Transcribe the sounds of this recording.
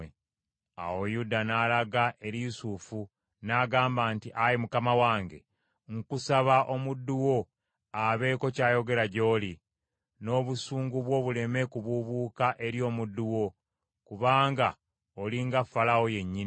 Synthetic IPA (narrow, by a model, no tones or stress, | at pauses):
a̰wojudanaːlaɡaʔe̞ɾisufu | naɡaːmbaːntiʔajimukamawaːŋɡe̞ | ŋkusaβaʔo̞mudːuwo̞ | aβe̞ːko̞caːjo̞ɡe̞ɾaɟo̞ːli | no̞ːβusuːŋɡuβwo̞ːβule̞me̞kuβuβuːkaʔe̞ɾjo̞ːmudːuwo̞ | kuβaːŋɡa | oliŋɡafalawo̞je̞ɲːin